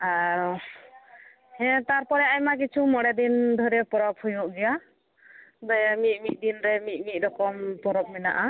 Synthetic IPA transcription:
aɾɔ | hɛ̃t̪aɾpɔɾɛajmak̬it͡ʃʰumɔɽɛd̪ind̪ʱɔɾɛpɔɾɔp̚hujuʔɡɛja | d̪ajamit̪̚ˀmit̪̚ˀd̪inɾɛmit̪̚ˀmit̪̚ɾɔkɔmpɔɾɔp̚mɛna̰ʔa

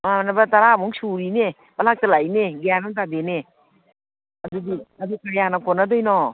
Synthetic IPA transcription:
mamanabataɾamuŋsuɾine | balak̚talajneɡeanɯŋtadene | adudiadukajanakɔnadɔjnɔ

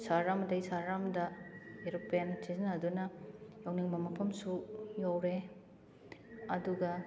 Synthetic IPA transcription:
saɾɾamdɐjsaɾːamdɐeɾuk̚pjansizinɐdunɐjawniŋbɐmɐkʰɐmsujawɾe | ɐduɡɐ

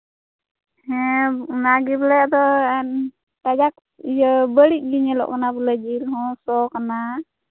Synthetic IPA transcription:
hɛnaɡiblɛjad̪ɔɛn | ʈad͡ʒak̚ | ijəbəɽiʔ̚ˀɡiɲɛlɔ̰ʔkanabulad͡ʒiɾɦɔ̃sɔkana

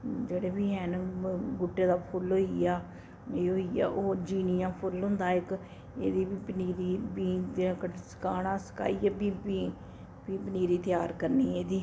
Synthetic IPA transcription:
d͡ʒeːɽeːbiːɦɛːnɡʊʈːeːd̪aːpʰʊlɦoːiaː | eːoːia̰ːʔoːd͡ʒiːnijãːpʰʊlɦʊ̃ːnd̪aːɪk | ḛːd̪iːbiːpəniːɾiːbiːd̪kəsə̥kaːnãːsə̥ka̰ːiːaːbiːbiː | biːpəniːɾiːt̪ɪjaːɾkəɾniːeːd̪iː

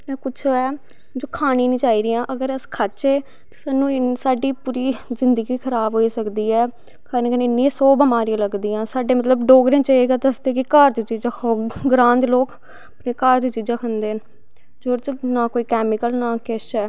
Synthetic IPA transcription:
mɛ̃ːkʊt͡ʃʰoɛː | d͡ʒoːkʰaːniːnĩːt͡ʃaːiːɾɪːãːʔəɡəɾəskʰət͡ʃeː | t̪e̥ːsaːnũːɪsaːɖiːpuːɾiːzɪnd̪əɡiːkʰəɾaːbɦoːiːsəkd̪iːɛː | kʰaːɾənkəneɪnːisɔːbəmaːɾijãːləɡd̪iːãːsaːɖeːmət̪ləbɖoːɡɾẽːt͡ʃəeːɡaːt̪əsd̪eːkɪkəɾt̪iːt͡ʃiːd͡ʒaːkʰoːɡɾãːnt̪loːk | əpneːkaːɾt̪it͡ʃiːd͡ʒãːkʰənd̪eːn | d͡ʒoːɾt͡ʃnaːkoːiːkɛːmɪkəlnãːkɪʃɛː

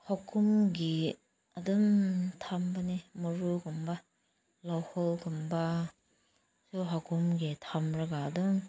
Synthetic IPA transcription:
hɔkʰumɡi | aduŋtʰambanimɔɾuɡɔmba | lɔwhɔlɡumba | suɦakʰumɡitʰamɾɐɡaːduŋ

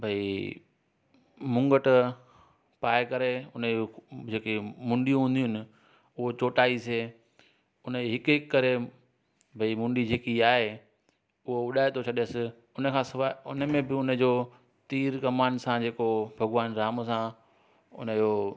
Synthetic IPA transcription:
bʱɐi | mʊ̃ŋɡəʈ | paːɪkɐɾeʊnəod͡ʑeːkemʊ̃ɳɖijũɦʊ̃nd̪ijʊnɪ̆ | ʊɦot͡ɕoːʈaːise | ʊnəɦɪkɦɪkːɐɾe | bʱɐimʊ̃ɳɖid͡ʑeːkiaːɦe | ʊɦoʊɗaːet̪ʰot͡ɕʰɐɗsɪ | ʊnə̆kʰãsɪʋaʊnəmẽbɪʊnəd͡ʑoː | t̪iːɾkɐmaːnsãd͡ʑeːkobʱɐɡʋaːnɾaːmsã | ʊ̰nəd͡ʑoː

